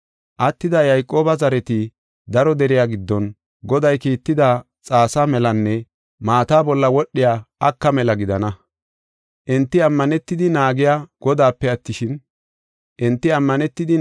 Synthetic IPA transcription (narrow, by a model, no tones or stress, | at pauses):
ʔɐt̪ːɪd̪ɐjɐjkʼːo̞ːbɐzɐɾɛt̪ɪ | d̪ɐɾɔd̪ɛɾɪjaːɡɪd̪ːɔn | ɡɔd̪ɐjkiːt̪ːɪd̪a | t͡sʼaːsamɛlɐnːɛ | maːt̪aːbɔlːɐwɔɗːɪjaːɐkːɐmɛlɐɡɪd̪ɐnɐ | ʔɪnt̪ːɪɐmːɐnɛt̪ːɪd̪ɪnaːɡɪjaːɡ̥ɔd̪aːpːɛɐt̪ːɪʃɪn | ʔɪnt̪ːɪɐmːɐnɛt̪ːɪd̪ɪ